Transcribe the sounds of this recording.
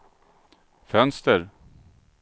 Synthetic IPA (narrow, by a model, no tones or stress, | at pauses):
fœnst̪əɾ